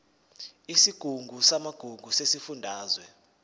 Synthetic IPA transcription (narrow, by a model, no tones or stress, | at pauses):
isiɡ̥ʱuŋɡʱusamaɡ̥ʱuŋɡʱusesifundʱaːzwɛ